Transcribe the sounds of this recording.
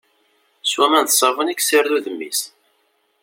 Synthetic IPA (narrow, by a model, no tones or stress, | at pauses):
swæmænθsˤɑvəniksəɾðuðəmːḭs